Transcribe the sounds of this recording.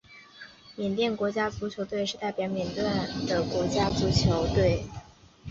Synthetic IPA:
mjɛ˨˩nt̪jɛ˥˩nkwɔ˧˥t͡ɕja˥t͡su˧˥t͡ɕʰjo˧˥ʊt̪we˥˧ɪʂɻ̩˥˧t̪a˥˩ɪpjɑ˧˥ʊmjɛ˨˩nt̪wa˥˩nd̪ə˩kwɔ˧˥t͡ɕja˥t͡su˧˥t͡ɕʰjo˧˥ʊt̪we˥˩ɪ

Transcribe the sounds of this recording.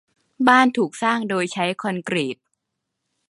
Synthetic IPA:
baː˥˩nt̪ʰuː˨˩k̚saː˥˩ŋdoː˧jt͡ɕʰa˦˥jkʰɔ˧nkɾi˨˩p̪̚

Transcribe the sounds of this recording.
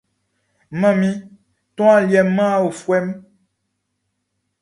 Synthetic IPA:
mã˦mĩ˦ | t̪ɔ̃˦a˦ljɛ˨mː˦ã˦o˨fwɛ˦m

